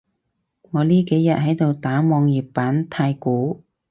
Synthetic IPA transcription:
ŋɔː˨˧liː˥ke˨˥jːɐ˨t̚ɦɐ˨˥jt̪o˨wt̪aː˨˥mɔː˨˧ŋjiː˨˩pːaː˨˥nt̪ʰaː˧jkuː˨˥

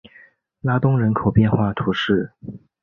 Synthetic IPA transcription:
la˥t̪ʊ˥ŋɻə˧˥nkʰo˨˩ʊpjɛ˥˧nxwa˥˩t̪ʰu˧˥ʂɻ̩˥˩

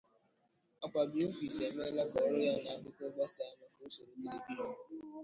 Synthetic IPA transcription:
a˨kʷa˨bi˨˦o˦kʷi˨ze˨˦m˦e˦la˦kɔ˨˦ɾo˦ja˦˨na˨a˦kʊ˦ko˦ɡ͡ba˦sa˨˦ma˦ko˦so˨n̩˦i˦le˨bi˦ɔ˦

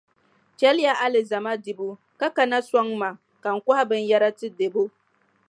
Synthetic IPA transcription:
kʲɛ˦lja˦ʔa˦lɪ˨za˨ma˦dɪ˨bu˦ | ka˦ka˨na˦sʷɔ˦ŋma˨ | ka˨ŋ̩˨kʷa˦a˦bɨ˦nja˦ɾa˦tɨ˦de˨bo˦

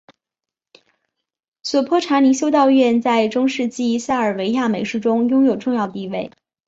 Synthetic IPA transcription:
swɔ˨˩pʰɔ˥ʈ͡ʂʰa˧˥ni˧˥ɕjo˥ʊt̪ɑ˥˧ʊɥɛ˥˧nt͡sa˥˧ɪʈ͡ʂʊ˥ŋʂɻ̩˥˧t͡ɕi˥˩sa˥˩ə˞˨˩we˧˥ɪja˥˩me˧˥ɪʂɻ̩˥˩ʈ͡ʂʊ˥ŋjʊ˥ŋjo˨˩ʊʈ͡ʂʊ˥˧ŋjɑ˥˧ʊ˩t̪i˥˧we˥˩ɪ

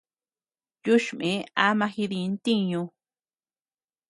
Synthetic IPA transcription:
ju˦ʃmẽ˨˦a˦mã˧xi˧ðĩ˧nt̪i˦ɲõ˧

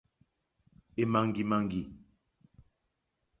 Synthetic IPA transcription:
e˨ma˨ŋɡi˨ma˨ŋɡi˨

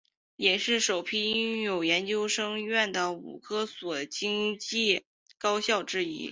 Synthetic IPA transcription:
jɛ˨˩ʂɻ̩˥˩ʂo˨˩ʊpʰi˥i˥ŋjo˨˩ʊjɛ˧˥nt͡ɕjo˥ʊʂɤ˥ŋɥɛ˥˩nd̪ə˩ṵ˨˩kʰɤ˥swɔ˨˩t͡ɕi˥ŋt͡ɕi˥˩ | kɑ˥ʊɕjɑ˥˩ʊʈ͡ʂɻ̩˥ḭ˥

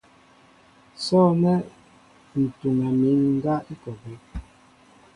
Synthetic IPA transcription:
sɔː˦nɛ˦ | n̩˨tu˨ŋa˨mi˨˦ŋŋ̩˦ɡa˦i˦kɔ˨bi˨˦

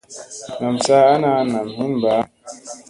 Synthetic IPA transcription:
na˨m˨t͡sa˦a˦na˦na˨mhi˦m˨baː˨˦

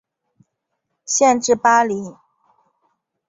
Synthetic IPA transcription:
ɕjɛ˥˧nʈ͡ʂɻ̩˥˩pa˥li˧˥

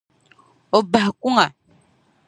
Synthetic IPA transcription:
o˨ba˨hku˦ŋa˨

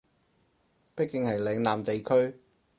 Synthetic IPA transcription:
pɐ˥kːɪ˨˧ŋhɐ˨jlɛ˨˧˥ŋlaː˨mt̪e˨jkʰɵ˥ɥ

